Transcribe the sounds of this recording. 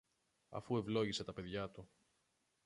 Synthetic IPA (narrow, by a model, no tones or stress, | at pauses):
ɐ̰fue̞vlo̞ʝise̞t̪ɐpe̞ðʝɐt̪u